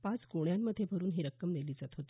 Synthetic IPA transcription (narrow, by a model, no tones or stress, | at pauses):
pat͡sɡoɽjamːəd̪ʱːjebʱəɾuːnɦeɾəkːəmleliːd͡zat̪ɦot̪i